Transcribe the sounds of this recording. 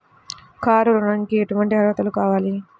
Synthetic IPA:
kaːɾuɾunɐnikieʈuʋɐɳʈiɦɐɾʋɐt̪ɐlukaːʋaːli

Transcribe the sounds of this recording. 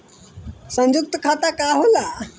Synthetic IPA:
sə̃ɲd͡ʒuk̚t̪əkʰat̪akaɦola

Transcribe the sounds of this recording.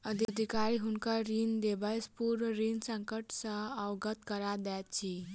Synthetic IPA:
əd̪ʱd̪ʱikaɾiɦunkaɾind̪ebəjspuɾɾinsə̃ŋkəʈsə̃əɡət̪kəɾad̪ɛt̪t͡ʃʰi

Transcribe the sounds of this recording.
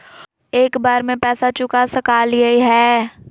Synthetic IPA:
eːkbaːɾmẽpɛːsat͡ʃʊkasəkaːljeiɦɛː

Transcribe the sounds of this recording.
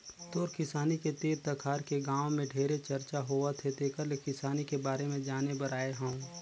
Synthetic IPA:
t̪oːɾkɪsaːniket̪eːɾt̪ɐkʰaːɾkeɡãːʋmẽɖʱeːɾet͡ʃɐɾt͡ʃaɦoat̪ʰet̪ʰekəɾlekɪsaːnikebaːɾemẽd͡ʒaːnebəɾaːeɦãʊ̃

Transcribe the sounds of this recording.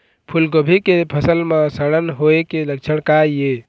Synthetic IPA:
pʰulɡəbʱikepʰəsəlmãsəɽ̃ənɦoekelək̚t͡ʃʰəɽ̃kaje

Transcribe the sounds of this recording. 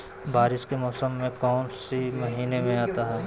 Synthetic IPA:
baːɾɪʃkemɔːsəmːẽkɔːnsemɐɦiːnemẽaːt̪aɦɛː

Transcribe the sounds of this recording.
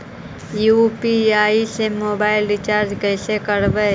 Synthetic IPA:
juːpiaːisemoːbaːɪlɖɪt͡ʃaːɾd͡ʒkəɪsekəɾbə

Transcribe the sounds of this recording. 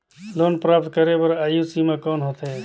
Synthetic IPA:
loːnpɾaːp̚t̪̚kəɾepəɾaːjusimãkɔːnɦoːt̪ɦɛː

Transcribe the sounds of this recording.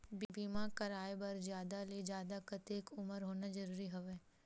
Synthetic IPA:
bibiːmakɐɾaːebɐɾzjaːd̪aled͡ʒjaːd̪akɐt̪eːkʊməɾɦoːnad͡ʒɐɾuːɾiɦoʋeː

